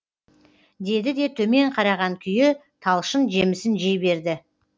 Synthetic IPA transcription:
d̪e̞d̪ɪd̪e̞t̪ʰɵme̞ɴqʰɑɾɑʁɑŋkʲʰʏjɪt̪ʰɑlˠʃənʒe̞mɪsɪnʒe̞jbe̞ɾd̪ɪ

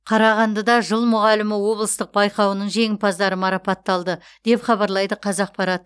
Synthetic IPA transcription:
qʰɑɾɑʁɑnd̪əd̪ɑʒəlˠmʊʁɑlɪmɪwo̞blˠəst̪əq̚bɑjqɑwənəɴʒe̞ŋʲɪpɑzd̪ɑɾəmɑɾɑpɑt̪ːɑlˠd̪ə | d̪̥e̞pχɑbɑɾlˠɑjd̪əqʰɑzɑq̚pʰɑɾɑt̪

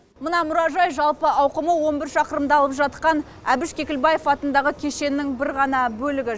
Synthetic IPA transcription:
mənɑmʊɾɑʒɑjʒɑlˠpəʔɑwqəməwo̞nbɪɾʃɑqəɾəmd̪ɑlˠəpʒɑt̪̚qɑn | æbɪʃkʲʰe̞kʲɪlbɑje̞fɑt̪ənd̪ɑʁəkʲʰe̞ʃe̞nːɪŋbɪɾʁɑnɑbɵlɪɡʲɪ

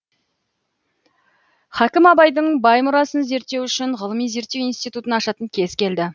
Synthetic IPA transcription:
χækʲɪmɑbɑjd̪əɴbɑjmʊɾɑsənze̞ɾt̪ːe̞wʏʃɪɴʁəlˠəmijze̞ɾt̪ːe̞wijnst̪ijt̪ut̪ənɑʃɑt̪əŋkʲʰe̞zkʲʰe̞ld̪ɪ

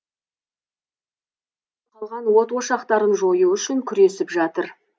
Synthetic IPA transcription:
qʰɑlˠʁɑnwo̞t̪wo̞ʃɑqt̪ɑɾənʒo̞juʏʃɪŋkʲʰʏɾe̞sɪpʒɑt̪əɾ

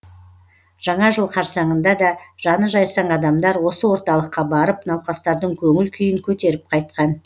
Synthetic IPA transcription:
ʒ̥ɑɴɑʒəlˠqʰɑɾsɑɴənd̪ɑd̪ɑʒ̥ɑnəʒɑjsɑɴɑd̪ɑmd̪ɑɾwo̞səwo̞ɾt̪ɑlˠəqːɑbɑɾəpnɑwqɑst̪ɑɾd̪əɴkʲʰɵŋɪlkʲʰʏjɪŋkʲʰɵt̪e̞ɾɪp̚qʰɑjt̪̚qɑn

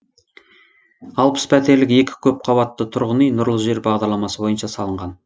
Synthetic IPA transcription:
ɑlˠpə̥spʰæt̪e̞ɾlɪke̞kʲɪ̥kʲʰɵp̚qʰɑbɑt̪ːət̪ʰʊɾʁənijnʊɾlˠəʒe̞ɾbɑʁd̪ɑɾlˠɑmɑsəbo̞jənʃɑsɑlˠəɴʁɑn

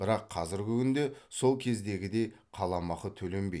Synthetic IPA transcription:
b̥ɪɾɑqʰːɑzɪɾɡʲɪkʲʰʏnd̪e̞so̞lˠkʲʰe̞zd̪e̞ɡʲɪd̪e̞jqʰɑlˠɑmɑqət̪ʰɵlembe̞j̪

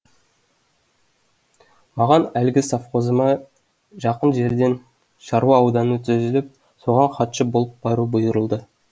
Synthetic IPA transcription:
mɑʁɑnælɡʲɪsɑfqo̞zəmɑ | ʒɑqənʒe̞ɾd̪e̞n | ʃɑɾwɑːwd̪ɑnət̪ʰɵzɪlɪp̚ | so̞ʁɑɴχɑt̪ʃəbo̞lˠəp̚bɑɾubʊjəɾəlˠd̪ə

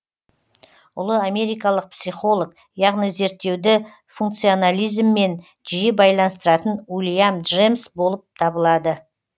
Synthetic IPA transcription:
ʊlˠəame̞ɾijkɑlˠəq̚psijχo̞lˠok̚ | jɑʁnijze̞ɾt̪ːe̞wd̪ɪ | fuŋkt̪sɨio̞nalʲijzmːe̞n | ʒijebɑjlˠɑnəst̪əɾɑt̪ənulʲijamd̪ʒemsbo̞lˠəp̚t̪ʰɑbəlˠɑd̪ə

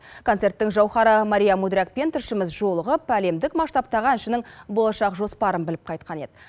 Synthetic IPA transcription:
kʰo̞nt̪se̞rɾt̪ːɪŋʒɑwχɑɾəmɑɾʲijɑmud̪ɾʲak̚pe̞nt̪ʰɪɾʃɪmɪzʒolˠəʁəpæle̞md̪ɪkmɑʃt̪ɑp̚t̪ɑʁɑnɪʃɪnɪŋbo̞lˠɑʃɑqʒo̞spɑɾənbɪlɪp̚qʰɑjt̪̚qʰɑne̞d̪ɪ

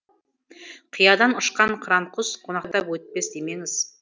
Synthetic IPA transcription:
qʰijɑd̪ɑnʊʃqɑɴqʰɾɑɴqʰʊzqʰo̞nɑqt̪ɑpwɵt̪̚pe̞sd̪eme̞ŋɪz̥

